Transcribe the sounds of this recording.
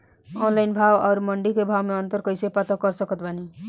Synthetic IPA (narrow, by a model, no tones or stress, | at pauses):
ɔnlajnbʱawaɾmʌɳɖikebʱawmeʌnt̪ʌɾkʌjsepʌt̪ɔkʌɾsʌkʌt̪̚bʱani